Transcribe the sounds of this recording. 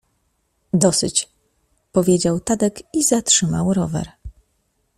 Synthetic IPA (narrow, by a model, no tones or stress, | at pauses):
d̪ɔsɘ̰t͡ɕ | pɔvʲjed͡ʑawt̪ad̪ɛkizatʂɘmawɾɔvɛ̰ɾ